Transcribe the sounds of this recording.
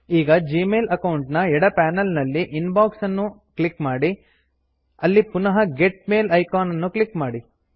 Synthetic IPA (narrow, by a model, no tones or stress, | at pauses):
iːɡɐd͡ʒiːmeːlɐkɐwɳʈnɐɛɽɐpaːnɐlnɐlːiʔinbaːksɐnːuklikmaːɽi | ɐlːipunɐɦɐɡeʈ̚meːlɐjkaːnɐnːuklikmaːɽi